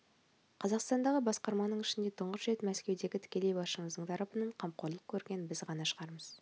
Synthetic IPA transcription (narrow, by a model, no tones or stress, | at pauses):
qʰɑzɑqst̪ɑnd̪ɑʁəbɑsqɑɾmɑnəɴɪʃɪnd̪e̞t̪ʰəɴʁəsʒe̞t̪mæskʲe̞wd̪e̞ɡʲɪt̪ʰɪ̥kʲe̞le̞jbɑʃəɴəzd̪əɴt̪ʰɑɾɑpənɑɴqʰɑm̚qo̞ɾlˠəq̚kʲʰɵɾɡʲe̞nbɪzʁɑnɑʃəʁɑɾməz̥